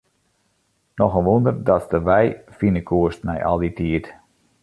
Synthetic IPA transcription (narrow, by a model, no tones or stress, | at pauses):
nɔxənʋundərdɔtsdəʋɛjfinəkʰuəstnɛ̰jʔɔ̰lˠditiət